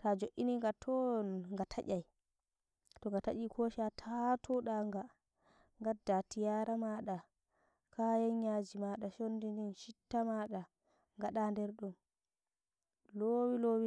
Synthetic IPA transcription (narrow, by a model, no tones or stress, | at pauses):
tad͡ʒoʔːiniŋɡatʰɔnŋɡatʰaʔʲaj | tɔŋɡata̰ʔikʰoʃatʰatʰɔɗaŋɡa | ŋɡadːatijaɾamaɗa | kʰajɛɲːad͡ʒimaɗaʃondininʃitːamaɗa | ŋɡaɗandɛɾɗum | lowilowi